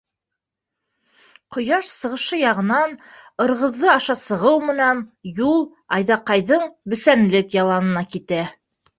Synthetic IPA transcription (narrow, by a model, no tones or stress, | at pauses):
qŏjɑʃsɤ̆ʁɤ̆ʃɤjɑʁɤ̆nɑnɤ̆ɾʁɤ̆ðːɤɑʃɑsɤ̆ʁɤwmɘ̆nænjulˠ | ɑjðɑqɑjðɤɴbɵ̆sænlɘkjɑlˠɑnɤ̆nɑkit̪æ